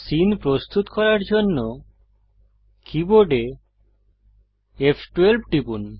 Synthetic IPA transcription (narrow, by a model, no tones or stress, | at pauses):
sinpɾost̪ut̪kɔɾaɾd͡ʑonːo | kʰiboɖe | efʰʈwelb̚ʱʈipun